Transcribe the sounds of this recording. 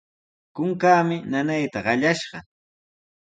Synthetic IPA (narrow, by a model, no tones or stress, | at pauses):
kʊŋkaːmɪnanajt̪aɢɑʎaʃɢɑ